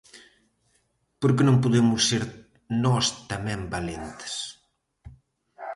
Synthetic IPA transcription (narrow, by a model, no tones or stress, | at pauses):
poɾk̬enõmpuðemusːeɾ | nɔst̪amɛmbalent̪e̥s